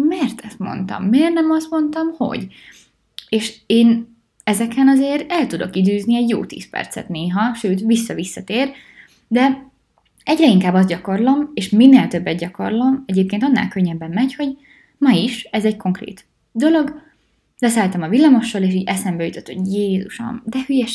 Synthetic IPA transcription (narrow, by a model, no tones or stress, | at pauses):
mɛːrt̪ɛst̪mo̞̰nt̪ɒ̰mːeːrnɛmɒst̪mo̞nt̪ɒmho̞̰ɟ | eːʃeːn | ɛzɛkɛnɒzeːɾɛlt̪ud̪o̞̰kid̪øːzniɛɟjo̰ːt̪ḭːspɛ̰rt̪sɛ̰t̪neːɦɒʃøːt̪ʋisːɒvisːɒt̪eːr | d̪ɛ | ɛɟrɛiŋkaːbːɒzɟɒko̞rlo̞meːʃminːeːlt̪øbːɛd̪̚ɟɒko̞̰rlo̞mɛɟeːp̚keːnt̪ɒnːa̰ːlkø̞ɲːɛbːɛmːɛcho̞ɟ | mɒiʃɛzɛɟko̞ŋkrḛːt̪ | d̪o̞lo̞ɡ | lɛs̬aːlt̪ɛmɒvilːɒmoʃːɒleːʃiːɟɛsɛmbɛjyt̪ot̪ho̞̰ɟjeːzuʃo̰nd̪ɛhyjɛ